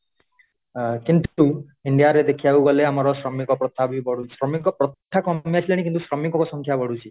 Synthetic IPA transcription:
kint̪u | iɳɖijaɾed̪ekʰijawɡɔleamɔɾɔsɾɔmikɔpɾɔt̪ʰabibɔɽusɾɔmiŋkɔpɾɔt̪ʰːakɔmiasʰilaɽ̃ik̬int̪usɾɔmiŋkɔkɔsɔŋkʰjabɔɽut͡ʃʰi

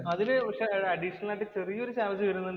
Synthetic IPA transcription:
ɐðinɨʋɐkʂeɐɖiʂɐnɐlaːʈːɨt͡ɕerijːɐoɾuɕaːʋɐt͡ɕːɨkɐɾunːɐ

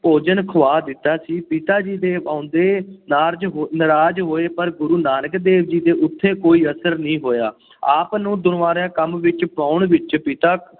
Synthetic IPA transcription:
poːd͡ʒənkʰəʋaːd̪ɪt̪ːaːsiːpɪt̪aːd͡ʒiːd̪eːʋãːʊnd̪eːnaːɾd͡ʒɦnəɾaːd͡ʒɦoːeːpəɾɡʊɾuːnaːnəkd̪eːʋd͡ʒiːd̪eːʔʊt̪ʰːeːkoːiːəsəɾnĩːɦoːjaː | aːpnũːd̪ʊnʋaːɾãːkəmʋɪt͡ʃpaːʊɳʋɪt͡ʃpɪt̪aː

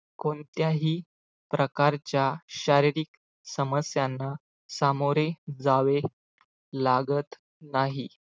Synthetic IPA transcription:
kont̪jaɦiː | pɾəkaɾt͡ɕjaɕaɾiɾik | səməsjanːa | samoɾed͡zaʋe | laɡət̪ | naɦi

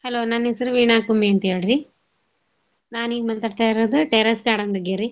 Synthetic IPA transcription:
hɐloːnanesɐɾuʋiːɳaːkumeɐnt̪ijaɽɾi | naːniːɡmɐnt̪aːɽt̪aːjiɾoːd̪uʈeːɾɐsɡaːɽɐnd̪ɐɡeɾi

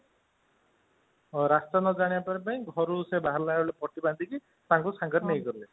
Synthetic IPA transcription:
ɾast̪anɔd͡ʒaɽ̃ibapaɾepaĩɡʱɔɾusebaɦaɾlaɔlepɔʈiband̪ʱiki | t̪ãŋkusaŋɡɔɾnejɡɔɾile

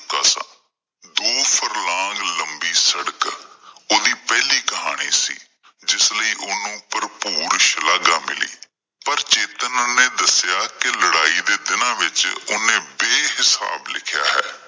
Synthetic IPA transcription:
t̪əsã̰ | d̪oːpʰəɾlãːɡləmbiːsəɽəkoːd̪iːpɛːliːkəɦa̰ːɽ̃iːsḭː | d͡ʒɪsləiːʔʊnũːpəɾpuːɾʃlaːɡaːmɪ̰lḭː | pəɾt͡ʃeːt̪ənʊnẽːd̪əsjaːkɪləɽaːiːd̪eːd̪ɪnãːʋɪt͡ʃʊnẽːbeːɦɪsa̰ːblɪ̰kʰja̰ːɦɛ̰ː

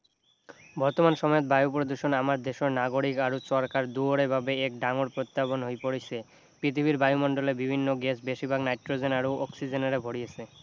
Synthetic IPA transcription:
bʱɔɾt̪omanʃɔmɔet̪̚bajupɾod̪uʃonamaɾd̪eʃoɾnaɡoɽikaɾot͡ɕɔɾkaɾd̪uoɽebʱabeek̚ɖaŋoɾpɾot̪ːabonɦojpoɽet͡ɕʰe | pɾit̪ʰibʱiɾbajumɔɳɖolebibʱinːoɡesbeʃibʱaɡnajʈɾod͡ʑenaɾoʔɔksid͡ʑenaɾebʱoɽijet͡ɕʰe

